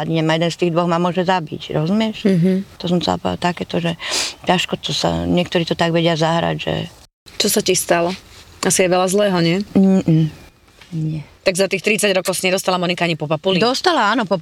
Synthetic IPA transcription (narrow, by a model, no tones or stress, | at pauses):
ad̪ɲɛmajɛd̪ɛnst̪iːɣd̪ʋɔɣmamʊɔʒɛzabḭcɾɔzumɪɛʃɦt̪ɔsɔmt͡sɛla̰pa̰t̪akɛːt̪ɔʒɛcaʃkɔt̪ɔsa̰ɲɪɛkt̪ɔɾiːt̪ɔt̪aɡʋɛɟɪazaɦɾa̰ɟʒɛ̰ | t͡ʃɔsacist̪alɔʔasijɛʋɛlazlɛːɦɔɲɪɛ | ɲɪɛt̪aɡzat̪iːxt̪ɾit͡saɟɾɔkɔʊsaɲɛd̪ɔst̪alamɔnikaaɲipɔpapulid̪ɔst̪alaaːnɔpɔ